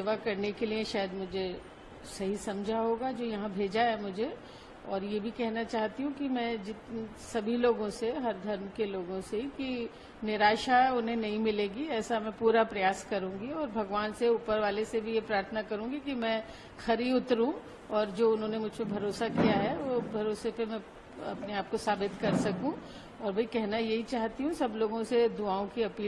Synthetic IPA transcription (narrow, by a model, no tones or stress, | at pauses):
eːʋakɐɾnekelieʃaːjəd̪mʊd͡ʒʱe | sɐɦisɐ̃md͡ʒʱaɦoːɡad͡ʒoːjɐɦãbʱeːd͡ʒaɦɛmʊd͡ʒʱe | ɔːɾjebʱikɛɦnat͡ʃaːɦt̪iɦũkimɛ̃ːd͡ʒɪt̪ | sɐbʱiloːɡõseɦɐɾd̪ʱɐɾmkeloːɡõseɦiki | nɪɾaːʃaʊnɦẽnɐɦĩmɪleːɡiɛːsamɛ̃puːɾapɾɐjaːskɐɾũːɡiɔːɾbʱɐɡʋaːnseuːpəɾʋaːlesebʱijepɾaːɾt̪ʰənakɐɾũːɡikimɛ̃ː | xɐɾiʊt̪ɾũ | ɔːɾd͡ʒoːʊnɦõnemʊd͡ʒʱpebʱɐɾoːsakijaɦɛʋoːbʱɐɾoːsepemɛ̃ | ɐ̰pneaːp̚kosaːbɪt̪kɐɾsɐkũ | ɔːɾbʱɐikɛɦnajɐɦit͡ʃaːɦt̪iɦũsɐbloːɡõsed̪ʊaːõkiɐpiː